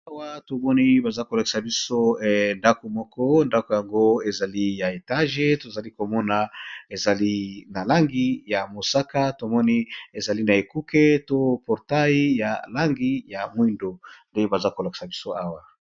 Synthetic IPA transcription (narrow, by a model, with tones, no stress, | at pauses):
a˦wa˦to˨mɔ˦ni˦ba˨za˦ko˨la˨ki̥˨sa˨bi˦so˦˨nda˦ko˨mɔ˦kɔ˦nda˦ko˨ja˨ŋɡo˦e˨za˨li˦ja˨e˨ta˦ʒe˦to˨za˨li˦ko˨mɔ˦na˨e˨za˨li˦na˨la˦ŋɡi˦ja˨mo˨sa˦ka˦to˨mɔ˦ni˦e˨za˨li˦na˨e˨ku˦ke˦to˦pɔ˨ʁta˦ji˦ja˨la˦ŋɡi˦ja˨mwi˦ndo˨nde˦ba˨za˦ko˨la˨ki̥˨sa˨bi˦so˦a˦wa˨